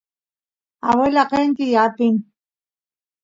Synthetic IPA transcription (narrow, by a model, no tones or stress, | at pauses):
awelaqeŋkɪjapɪŋ